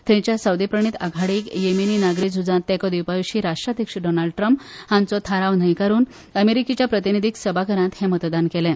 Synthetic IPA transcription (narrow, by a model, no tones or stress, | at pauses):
t̪ɾẽt͡ɕjasawd̪ipɾəɳ̃iːt̪aɡʱaɽiːkjemeniːnaɡɾiːd͡zʱud͡zãt̪ːɛ̃kɔd̪iwpajuɕiːɾaʂʈɾad̪ʱjəkʂəɖɔnalɖ̚ʈɾəmphãnt͡sɔt̪ʰaɾaʋn̤əjkaɾuːn | əmeɾikit͡ɕjapɾət̪inid̪ʱiksəbʱakəɾãt̪hẽmət̪d̪ankelɛ̃